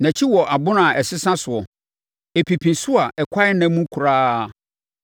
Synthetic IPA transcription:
nã˨t͡ɕʰi˦wɔ˨ʔa˨bʊ̃˦nã˨ʔɛ˨sɪ˦sã˦sʊ˨ɔ˨ | e˨pʰi˨pʰĩ˨nsʊ˦a˨ʔɛ˨kʷʰa˦ɪ˦nɛ̃˦mũ˦kʰu˨ɾaː˦˨

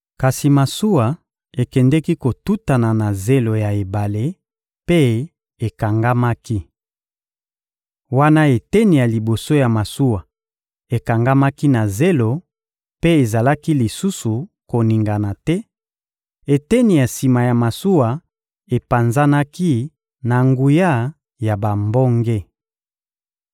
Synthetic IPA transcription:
ka˨si˨ma˨su˦wa˨ | e˨kɛ˨ndɛ˦ki˦ko˨tu˦ta˨na˨na˨ze˦lo˨ja˨e˨ba˨le˦ | pe˦ | e˨ka˨ŋɡa˦ma˦ki˦ | wa˦na˦e˨tɛ˦ni˨ja˨li˨bo˨so˦ja˨ma˨su˦wa˨ | e˨ka˨ŋɡa˦ma˦ki˦na˨ze˦lo˨ | pe˦e˨za˨la˦ki˦li˨su˦su˨ | ko˨ni˨ŋɡa˨na˨tɛ˦ | e˨tɛ˦ni˨ja˨si˨ma˨ja˨ma˨su˦wa˨ | e˨pa˨nza˦na˦ki˦ | na˨ŋɡu˨ja˦˨ | ja˨ba˨mbɔ˦ŋɡe˦

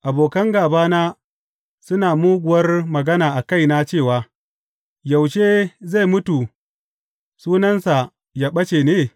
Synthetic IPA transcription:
ʔa˨boː˨kɐ˦ŋɡaː˨baː˦naː˦ | sʊ˦naː˨muː˦ɡʷʊ˨wɐ˦rmɐ˨ɡɐ˦naː˨ʔa˨ka˦˨jna˦t͡ʃeː˦˨waː˨ | ja˨wʃeː˦za˦˨jmʊ˦tu˨ | suː˦nɐ˦nsa˨ | jaː˦ɓɐ˦t͡ʃe˨neː˦

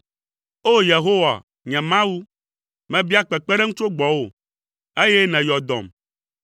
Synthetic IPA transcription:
o˦je˨ɦo˦wa̰˨ | ɲɛ̃˨mã˦wu˦ | mɛ̃˨˦bi˦a˦k͡pɛ˨k͡pɛ˦ɖe˦ŋu˦t͡ʃo˦ɡ͡bɔ˨wo˨ | e˦jɛ˦nɛ̃˨jɔ˨d̪ɔ̰̃˨m

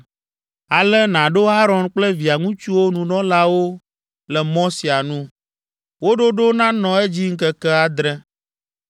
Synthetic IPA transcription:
a˨lɛ˦nã˨ɖo˦ɦa˦ɾɔ˨nk͡plɛ˦vi˨a˨ŋũ˦t͡ʃu˦wo˦nũ˨nɔ̃˦la˦wo˦ | lɛ˨mɔ̃˦si˨a˨nũ˦ | wo˦ɖo˦ɖo˦nã˦nɔ̃˨ɛ˦d͡ʑi˦ŋ̩˦kɛ˦kɛ˦a˨d̪ɾɛ˦

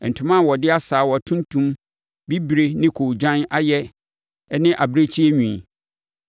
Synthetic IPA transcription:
n̩˨tʰʊ̃˦mã˦˨wɔ˨dɪ˦a˦saː˨˦wɔ˨tʰũ˦n˦tʰũ˦m | bi˦bɾe˦nɪ̃˦kʰo˨d͡ʑã˦na˦jɛ˦ | nɪ̃˦ʔa˨bɾe˦t͡ɕʰi˦e˦ɲũ˨i˨

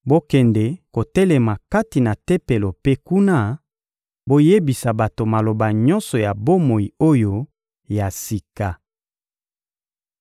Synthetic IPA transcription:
bo˦kɛ˨ndɛ˨ko˨tɛ˦lɛ˨ma˨ka˦ti˨na˨tɛ˦pe˨lo˨pe˦ku˦na˦ | bo˦je˦bi˨sa˨ba˨to˨ma˨lo˨ba˨ɲɔ˦nsɔ˨ja˨bo˦mo˨i˨o˦jo˦ | ja˨si˨ka˨

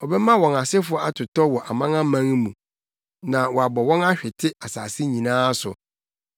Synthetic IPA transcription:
ɔ˨bɛ˦mã˦wɔ̃˨na˨sɛ˦fʊ˦ɔ˦a˦tʰʊ˨tɔ˦wɔ˨ʔa˨mã˦ŋã˦mã˦ŋ˦mũ˨ | nã˨wɔ˨a˨bɔ˨wɔ̃˦na˦ɕᶣɪ˨tʰɪ˦a˨sa̰ː˨si˦ɲĩ˨nãː˦sʊ̰˨

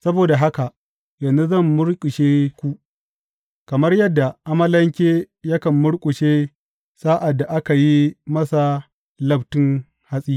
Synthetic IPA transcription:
sɐ˦boː˨da˨ɦa˦ka˨ | jɐ˨nzu˦zɐ˦˨mːʊ˦ɽkʼʊ˨ʃeː˦kʷu˦ʔ | kɐ˨mɐ˦rjɐ˦dːa˨ʔa˦mɐ˦lɐ˦ŋkʲeː˦ | jɐ˦kɐ˨mːʊ˦ɽkʼʊ˨ʃeː˦ | sa˦ʔa˨dːa˨ʔa˦ka˨ji˦mɐ˦sa˨ | lɐ˦btɪ˦ŋ | ha˦sʼiː˦

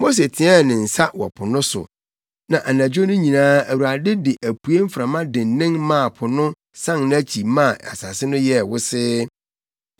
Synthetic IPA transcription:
mo˦s̬e˨tʰɪ˨˦a˦˨nɪ̃˨n̩˨sa˦wɔ̰˨pʰʊ˨nʊ̃˦sʊ̰˨ | nã˨ʔa˨nã˨d͡ʑᶣo˦nʊ̃˦ɲĩ˨nãː˦æ˨wu˨a˨dɪ˦dɪ˨ʔæ˨pʰu˨˦e˦m̩˦fɾã˨mã˦dɪ̃˨n˨nːɪ̃˦ŋmã˦˨pʰʊ˨nʊ̃˦ | sã˦ŋñ˦æ˦t͡ɕʰi˨mã˦˨a̰˨sa˨sɪ˦nʊ̃˦jɛ˦˨wʊ˦sɪ˦

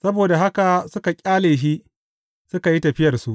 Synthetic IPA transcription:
sɐ˦boː˨da˨ɦa˦ka˨sʊ˦ka˨kʲʼaː˦leː˨ʃ̬iː˦ | sʊ˦ka˨ji˦tɐ˨ɸɪ˦jɐ˨rsu˦ʔ

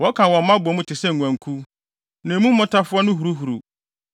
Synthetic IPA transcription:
wɔ˦kʰã˨wɔ̃˨m̩˦mã˦bʊ˨ɔ˨mũ˦tʰɪ˨sɛ˦˨ŋ˨ŋʷ˨æ̃˨ŋ˨˦kʰu˦ | nã˨mũ˦mː˦ɔ̃˦tʰa˦fʊ˦ɔ˦nʊ̃˦ɦu˨ɾu˦ɦu˨ɾṵ˨

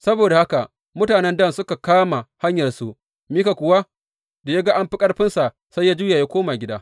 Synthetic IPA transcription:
sɐ˦boː˨da˨ha˦ka˨ | mʊ˦taː˨nɛ˦ndɐ˦msʊ˦ka˨kaː˦ma˨ha˦ɲjɐ˨rsu˦ʔ | miː˦ka˨kʷʊ˨wa˦ | da˨ja˦ɡa˦ʔa˦mɸɪ˦kʼɐ˦rɸɪ˦nsa˨ | sa˦jːaː˦d͡ʒuː˦ja˨jaː˦kʷoː˦ma˨ɡʲɪ˦daː˦

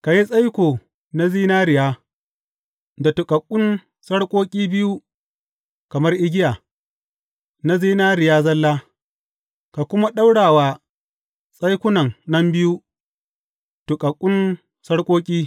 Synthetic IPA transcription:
ka˨ji˦sʼa˦jkʷoː˨ | na˦ziː˦naː˦ɾɪ˨jaː˦ | da˨tʊ˨kʼɐ˨kʷʼːʊ˦n | sɐ˦ɽkʷʼoː˦kʲʼiː˦bɪ˦ju˦ | kɐ˨mɐ˦rʔɪ˦ɡʲɪ˦jaː˨ | na˦ziː˦naː˦ɾɪ˨jaː˦zɐ˦lːaː˦ | ka˨kʷʊ˦ma˦ɗa˦wɽaː˨waː˦ | sʼa˦jkʷʊ˦nɐ˨ŋnɐ˦mbɪ˦ju˦ | tu˨kʼɐ˨kʷʼːʊ˦n | sɐ˦ɽkʷʼoː˦kʲʼiː˦

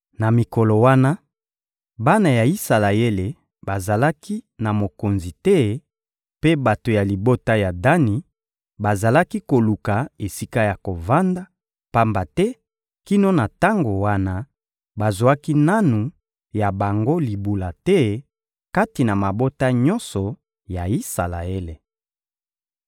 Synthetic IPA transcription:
na˨mi˨ko˨lo˨wa˦na˦ | ba˦na˨ja˨i˦sa˨la˨je˦le˨ | ba˨za˨la˦kʰi˦na˨mo˨ko˨nzi˨tɛ˦ | pe˦ba˨to˨ja˨li˨bo˦ta˦ja˨da˦ni˨ | ba˨za˨la˦ki˦ko˨lu˨ka˨e˨si˦ka˦ja˨ko˨va˦nda˦ | pa˦mba˨tɛ˦ | ki˦no˦na˨ta˦ŋɡo˨wa˦na˦ | ba˨zwa˦ki˦na˦nu˨ | ja˨ba˨ŋɡo˦li˨bu˨la˨tɛ˦ | ka˦ti˨na˨ma˨bo˦ta˦ɲɔ˦nsɔ˨ | ja˨i˦sa˨la̰˨e˦le˨

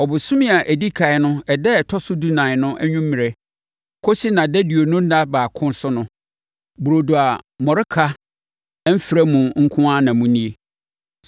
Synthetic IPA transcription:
ɔ˨bʊ˨sʊ̃˦mĩ˦a˨ʔæ˨di˦kʰa˨ɪ˨nʊ̃˦ɛ˨dɛ˦˨tʰɔ˦sʊ˦du˦nã˨ɪ˨nʊ̃˦ʔæ˦ɲũ˦m˦mːĩ˨ɾɛ˨ | kʰo˦si˦nã˨dɛ˦di˨o˨nʊ̃˦n̩˦da˦baː˨kʰʊ̃˦n˦sʊ˦nʊ̃˦ | bu˨ɾo˨du˨a˨mɔ˨ɾɪ˦kʰa˦ | m̩˦fi˨ɾɛ˦mũ˨ŋ̩˦kʰʊ̃˦a˦nã˨mũ˦nĩ˦e˨

